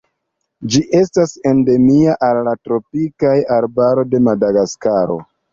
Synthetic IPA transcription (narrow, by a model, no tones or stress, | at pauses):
d͡ʒiʔe̞stase̞nde̞miaʔalːatɾo̞pikajaɾbaɾo̞de̞madaɡaskaɾo̞̰